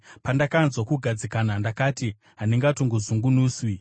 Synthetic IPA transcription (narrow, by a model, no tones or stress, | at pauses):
pandakanzwokuɡʱad͡zikanandakaːti | ɦaniŋɡatoŋɡozuŋɡunuːswi